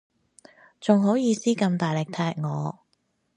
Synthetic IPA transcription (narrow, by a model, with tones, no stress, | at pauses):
t͡sʊ˨ŋɦo˨˥wjiː˨˧siː˥kɐ˧mt̪aː˨˩jlɪ˨˩k̚t̪ʰɛː˧˥k̚ŋɔː˨˧